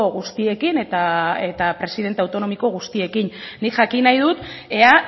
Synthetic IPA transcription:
oɣust̪ie̞kine̞t̪ae̞t̪apɾe̞siðe̞nt̪e̞awt̪o̞no̞miko̞ɣ̞ust̪ie̞kinːikʝakinajðut̪e̞a

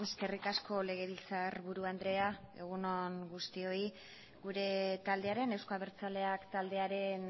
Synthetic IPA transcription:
e̞ske̞rikasko̞le̞ɣ̞e̞βilt͡sarβuɾuand̪ɾe̞ae̞̰ɣ̞uno̞ŋɡust̪io̞i | ɡuɾe̞t̪ald̪e̞aɾe̞ne̞wskaβeɾt͡sale̞akt̪ald̪e̞aɾe̞n

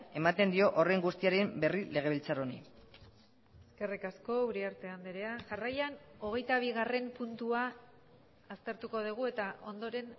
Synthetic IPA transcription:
e̞mat̪e̞nd̪io̞ʔore̞ŋɡust̪iaɾembe̞rile̞ɣ̞e̞β̞ilt͡saɾo̞nḭ | eske̞rikasko̞uɾiaɾt̪e̞and̪eɾeasarajano̞ɣ̞e̞jt̪aβ̞iɣare̞mpunt̪uaː | st̪e̞ɾt̪uko̞ð̞iɣ̞ue̞t̪aʔo̞̰nd̪o̞ɾe̞n

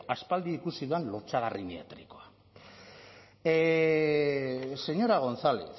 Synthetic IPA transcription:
aspald̪iikusiðuenloɾt͡saɣ̞arʔiniat̪ɾiko̞a | se̞ɲo̞ɾaɣ̞o̞nsale̞̰θ

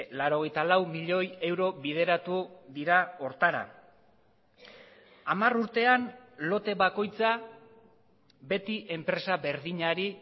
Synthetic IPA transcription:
laɾo̞ɣ̞e̞jt̪alawmiʎo̞je̞wɾo̞βið̞e̞ɾat̪uðiɾao̞ɾt̪aɾa̰ | amaruɾt̪e̞anlo̞t̪e̞βako̞jt͡sa | be̞t̪iʔe̞mpɾe̞saβe̞ɾðiɲaɾi

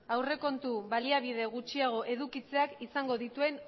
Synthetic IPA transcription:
awre̞ko̞nt̪uβaliaβ̞iðe̞ɣ̞ut͡ʃiaɣ̞o̞ʔe̞ðukit͡se̞akisaŋɡo̞ðit̪ue̞n

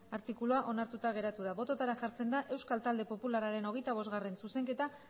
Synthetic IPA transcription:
aɾt̪ikuluaʔo̞naɾt̪ut̪aɣ̞e̞ɾat̪uðaβo̞t̪o̞t̪aɾaʝaɾt͡se̞nd̪aʔe̞wskalt̪ald̪e̞po̞pulaɾaɾe̞no̞ɣe̞jt̪aβ̞o̞zɣare̞nsuse̞ŋke̞t̪a

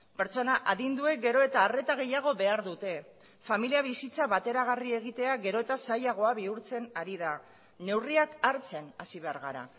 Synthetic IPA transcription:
pe̞ɾt͡so̞naʔaðind̪ue̞ɡe̞ɾo̞e̞t̪aːre̞t̪aɣ̞e̞jaɣ̞o̞βe̞aɾðut̪e̞ | familiaβ̞isit͡saβat̪e̞ɾaɣ̞arie̞ɣ̞it̪e̞aɣe̞ɾo̞e̞t̪asajaɣ̞o̞aβiuɾt͡se̞naɾið̞a | ne̞wriakaɾt͡se̞nasiβe̞aɾɣ̞aɾa̰

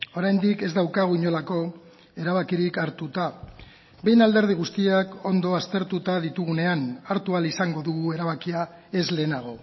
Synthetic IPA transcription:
o̞ɾajnd̪ike̞zd̪awkaɣ̞uiɲo̞lako̞ | e̞ɾaβ̞akiɾikaɾt̪ut̪a | be̞jnald̪e̞ɾð̞iɣ̞ust̪iako̞nd̪o̞ast̪e̞ɾt̪ut̪að̞it̪uɣ̞une̞anaɾt̪ualisaŋɡo̞ðuɣue̞ɾaβ̞akia | e̞zle̞ːnaɣ̞o̞

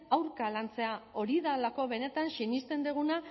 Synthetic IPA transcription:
awɾkalant͡se̞ao̞ɾiðalako̞β̞e̞ne̞t̪ansinist̪e̞nd̪uɣ̞una

